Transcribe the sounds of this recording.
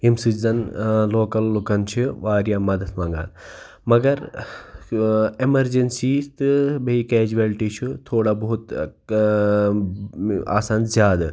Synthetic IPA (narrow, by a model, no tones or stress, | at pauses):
imsɨd͡ʒzɐnloːkɐlːukɐnt͡ʃʰiʋaːɾjaːmɐd̪ɐt̪ʰmãːŋɡa̰ːn | mɐɡɐɾ | emɐɾd͡ʒensiːst̪ɨbɐikeːd͡ʒuʋɐlʈit͡ʃʰut̪ʰoːɽaːbɐɦut̪ | a̰ːsaːnzjaːd̪a